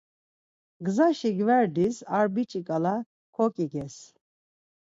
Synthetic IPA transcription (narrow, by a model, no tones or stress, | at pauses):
ɡzaʃiɡvɛɾd̪isaɾbit͡ʃʼikʼala | kʰɔkʼiɡɛs